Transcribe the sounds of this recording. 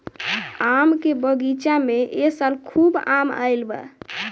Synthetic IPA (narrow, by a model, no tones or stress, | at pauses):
amkebəɡit͡ʃameʔesəlkʰubamə̰jlbə̰